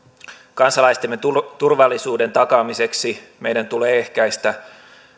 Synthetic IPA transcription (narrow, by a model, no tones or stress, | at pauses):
kɑnsɑlɑist̪emːet̪urʋɑlːisuːde̞nt̪ɑkɑːmise̞ksime̞jdænt̪uleːe̞hkæjst̪æ